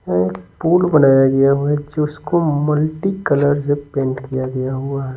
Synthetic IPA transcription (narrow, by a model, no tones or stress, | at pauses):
ɛkpuːlbɐnaːjaɡɐjaɦuɛd͡ʒoʊskomɐlʈikələɾd͡ʒepẽːɳʈkijaɡɐjaɦuaɦɛ